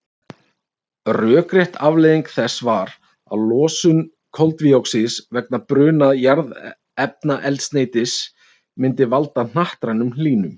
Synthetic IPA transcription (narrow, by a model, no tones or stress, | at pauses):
rœːkɾjɛht̪avleːjðiŋkθɛsːvaɾ | a̰ðlɔːsʏn | kʰɔlt̪viowksisvɛknapɾʏːnaðjaɾð | ɛp̚naʔɛlt̪st̪neːjt̪ɪs | mɪnt̪ɪvalt̪an̥aht̪ɾanʏml̥iːnʏm